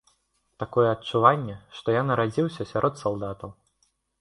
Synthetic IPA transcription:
t̪akɔjɛɐtt͡ʂːuvanʲːɛʂt̪ɔjanɐɾad͡zʲiwsʲɐsʲaɾʔɔt̪salˠd̪at̪ɐw

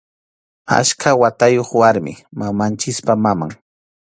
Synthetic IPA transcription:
a̰ʃkʰawat̪ajoχwaɾmɪ̰mamant͡ʃɪspamama̰ŋ

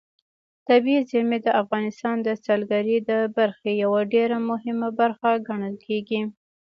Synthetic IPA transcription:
t̪abiizɪmed̪əafɣɑnɪst̪ɑnd̪əsalɡaɾid̪əbaɾxejawaɖeɾamʊɦɪmabaɾxaɡaɳəlkʰeɡi

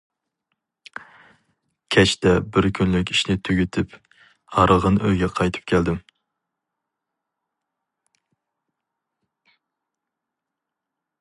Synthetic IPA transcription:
kʲʰɛt͡ʃt̪ɛbɪɾkʲʰynlɪkʲiʃnɪt̪ʰyɡʲyt̪ʰɪp | hɑɾɨlˠʁənøjɡʲɛqʰɑjt̪ʰɨ̥p̚kʲʰɛld̪ɪm

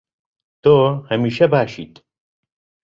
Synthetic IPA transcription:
t̪ohɐmiːʃɛbaːʃḭːt̪

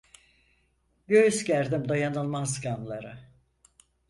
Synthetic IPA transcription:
ɟøjyzɟæɾd̪imd̪ajanɯlˠmazɡamlˠaɾɯ

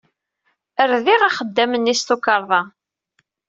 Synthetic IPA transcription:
əɾðiʁaχəd̪ːæmənːist̪ukɑɾˤðˤɑ

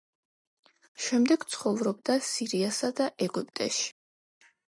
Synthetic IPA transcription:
ʃɛmd̪ɛɡ̥t̪sʰχɔvɾɔb̚d̪asiɾiasad̪aʔɛɡupʼt̪ʼɛ̰ʃi̥

